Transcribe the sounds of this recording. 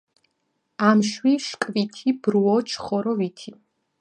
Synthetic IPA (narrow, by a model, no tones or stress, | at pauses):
amʃwiʃkʼvit̪ʰibɾuɔt͡ʃʰχɔɾɔvit̪ʰi